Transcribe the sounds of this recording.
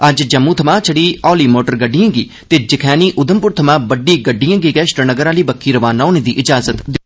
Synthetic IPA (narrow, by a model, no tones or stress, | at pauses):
əd͡ʒd͡ʒəmːũːt̪ʰəmãːt͡ʃʰəɽiːɔːliːmoːʈəɾɡəɖijãːɡiː | t̪eːd͡ʒɪkʰɛːniːʔʊd̪əmpʊɾt̪ʰəmãːbəɖːiːɡəɖːijãːɡiːkɛːʃʈənəɡəɾaːliːbəkʰːiːɾəʋaːnãːneːd̪iːʔɪd͡ʒaːzət̪d̪